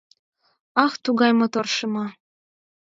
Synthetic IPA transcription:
ɑxt̪uɣɑjmŏt̪orʃɤmɑ

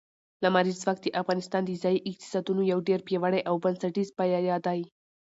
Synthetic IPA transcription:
lamaɾizwakt̪eʔafɣɑnɪst̪ɑnd̪əzɑjiʔɪk̚t̪i̥sɑd̪unojawɖeɾpjewaɽajʔawbansaʈizbajɑjɑd̪ɑji

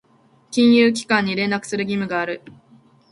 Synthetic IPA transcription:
kʲĩɰ̃jɯːk̬ʲi̥kãɲ̟ːiɾẽ̞nakɯ̟̥sɨɾɯ̟ɡʲimɯ̟ɡaːɾɯ̟

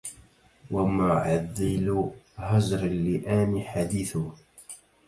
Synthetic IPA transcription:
wamʊʕaðːɪlhazɾalːɪʔaːniħad̪iːθʊ

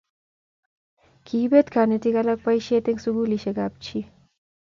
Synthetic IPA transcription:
kiːbet̪kʰaːnet̪ikɐlɐk̚pɐjʃet̪eŋɡsuɡuliʃekap̚t͡ʃʰi

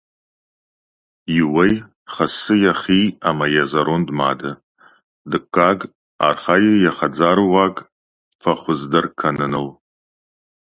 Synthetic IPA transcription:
jɪwɐj | χɐsɨjɐχiːaːmɐjɐzɐɾondma̰ːdɐ | dɨkʷʰʼːaːɡ | a̰ːrχaːjɪjɐχɐd͡zaːɾɨwaːɡ | fɐχʷʊzdɐrkʰɐnɨnɨl

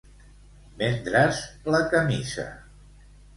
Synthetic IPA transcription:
mend̪ɾəzləkəmizə̰

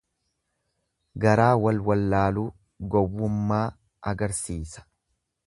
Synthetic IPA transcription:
ɡɐɾaːwɐlwɐlːaːluː | ɡɔwːʊmːaː | ʔɐɡɐɾsiːsɐ̥

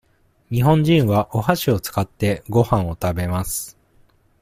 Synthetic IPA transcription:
ɲ̟iɦõ̞ɲ̟d͡ʑĩɰ̃βaʔo̞haɕio̞t͡sɨ̥kat̪ːe̞ɡo̞hãɰ̃o̞t̪abe̞masɨ̥

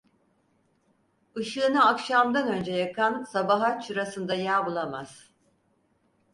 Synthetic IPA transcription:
ɯʃɯːnaakʃamd̪anø̞nd͡ʒɛjakʰansabaɦat͡ʃʰɯɾasɯnd̪ajaːbulˠamaz̥

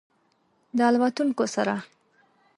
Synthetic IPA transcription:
d̪əɑlwat̪uŋkosaɾa

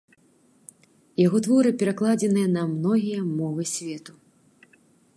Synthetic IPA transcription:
jaɣɔt̪vɔɾɨpʲɛɾaklˠad͡zʲɛnɨjɐnɐmnɔɣʲijɐmɔvɨsʲvʲɛt̪u

